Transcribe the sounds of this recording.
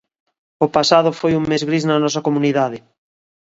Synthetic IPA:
opasað̞ʊfojuŋmezɣɾiznɐnɔsɐkomuniðaðɪ

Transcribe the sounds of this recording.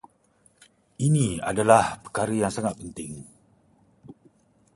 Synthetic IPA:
inĩa̰dalahpə̥rkaɾəjaŋsaŋat̪̚pənt̪ɪŋ

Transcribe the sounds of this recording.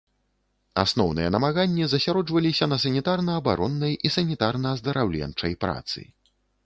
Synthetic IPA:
a̰snɔwnɨjɛnɐmaɣanʲːizɐsʲaɾɔd͡ʐvɐlʲisʲɐnɐs̬ɐnʲit̪arnɐːba̰ɾʔɔnːɐjisɐnʲit̪arnɐːzd̪ɐɾʔawlʲɛ̰nt͡ʂɐjpɾa̰t̪sɨ̰

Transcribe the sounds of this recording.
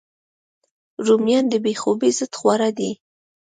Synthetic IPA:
ɾumjɑnd̪əbexobizəd̪xwaɾad̪i

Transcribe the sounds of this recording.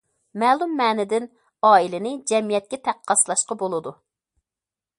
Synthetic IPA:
mɛːlˠumːɛːnɪd̪ɪn | ɑːilɪnɪd͡ʒɛmijɛt̪̚kʲɛt̪ʰæqʰːɑslˠɑʃqɑbolˠɨd̪u

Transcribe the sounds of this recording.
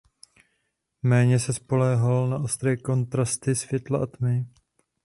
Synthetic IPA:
mɛːɲɛsɛspo̞lɛɦalnaʔo̞st̪ɾɛːko̞nt̪ɾast̪ɪsvjɛt̪laʔat̪mɪ

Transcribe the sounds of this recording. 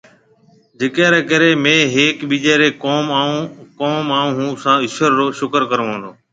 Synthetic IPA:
d͡ʒekɛːɾɛːkəɾeːmẽːɦeːkɓiːd͡ʒeːɾeːkoːmaːũːkoːmaːũːɦũːsãːɪʃəɾːoːʃʊkəɾkəɾəʋõːnd̪oː

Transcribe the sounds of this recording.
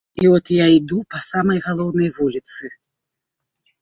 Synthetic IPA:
iɔt̪jaid̪upɐsamɐjɣalˠɔwnɐjvulʲit̪sɨ

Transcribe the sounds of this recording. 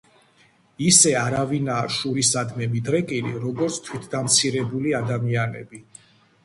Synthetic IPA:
isɛaɾavinaːʃuɾisad̪mɛmid̪ɾɛkʼilḭɾɔɡɔɾt̪sʰt̪ʰwit̪ʰd̪amt̪sʰiɾɛbuliad̪amianɛ̰bi

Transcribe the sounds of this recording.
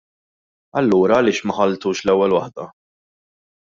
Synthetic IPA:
ɐlːuːɾɐːlɪːʃmɐħɐlt̪uːʃlɛwːɛlwɐħd̪ɐ

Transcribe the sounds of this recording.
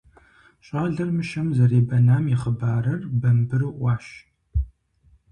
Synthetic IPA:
ɕʼɑːɮɐrmɨʃɐmzɐreːbɐnaːmjɪχəbaːɾɐrbɐmbɨrɨʔʷɑːʃ

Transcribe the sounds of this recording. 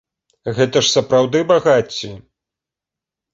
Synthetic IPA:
ɣɛt̪ɐʂsɐpɾawd̪ɨbaɣat͡sʲːi

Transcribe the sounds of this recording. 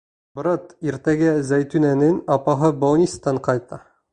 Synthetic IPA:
bɤ̆ɾɑt̪iɾt̪æɡæzæjt̪ʉnænɘnɑpɑɦɤbownʲist̪ɑɴqɑjt̪ɑ

